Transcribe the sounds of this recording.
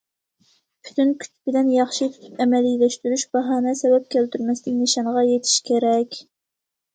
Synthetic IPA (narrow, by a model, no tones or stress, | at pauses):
pʰy̥t̪ʰynkʲʰy̥t͡ʃbɪd̪ɛnjɑχʃit̪ʰy̥t̪ʰy̥pɛmɛlilɛʃt̪yɾyʃbɑɦɑːnɛsɛbɛp̚kʲʰælt̪yɾmɛsd̪ɪkʲnɪʃɑŋʁɑjet̪ʰi̥ʃkʲʰeɾɛkʲ